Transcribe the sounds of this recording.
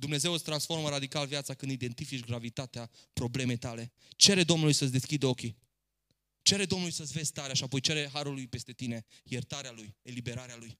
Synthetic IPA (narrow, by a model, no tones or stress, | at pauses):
d̪umne̞ze̞wət̪sʲt̪ɾansfo̞rməɾad̪ikalvjat̪sakɨnd̪id̪e̞nt̪ifit͡ʃɡɾavit̪at̪eapɾo̞ble̞me̞jt̪ale̞ | t͡ʃe̞ɾe̞d̪o̞mnulujsət̪s̬ʲd̪e̞skʲid̪əo̞kʲi | t͡ʃe̞ɾed̪o̞mnulujsət͡s̪ʲve̞z̥ʲt̪aɾeaʃiapo̞jt͡ʃe̞ɾeɦaɾulːujpe̞st̪e̞t̪ine̞ | jert̪aɾealujelibe̞ɾaɾealuj